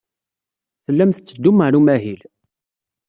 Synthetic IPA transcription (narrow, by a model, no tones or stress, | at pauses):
θəlːæmθət͡sːəd̪uməʕɾumæɦil